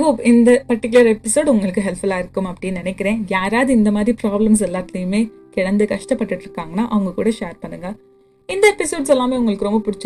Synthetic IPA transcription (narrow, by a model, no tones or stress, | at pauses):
ɡoːɪnd̪ɐpɐɾʈːɪk̬ːʊlɐɾɛpːɪsoːɖʊŋɡɐɭɯkːɯɦɛlfɐlaːɪɾɯkːɯmɐpːɐɽɪjɐnɪnɛkːɪɾẽːjaːɾaːðɯɪnd̪ɐmaːd̪ɾipɾaːblɐms̬ɛlːaːt̪ːɐjɯmeː | kɪɽɐnd̪ɯkɐʂʈɐpːɐʈːɯʈːɾɯkːaːŋɡɐnːaːʔɐʋɐŋɡɐkṵːɽɐʃeːɾpɐɳːɯŋɡɐ | ɪnd̪ɐɛpɪsoːɖsɛlːaːmeːʊŋɡɐɭɯkːɯɾɔmbɐpʊɽɪt͡ʃː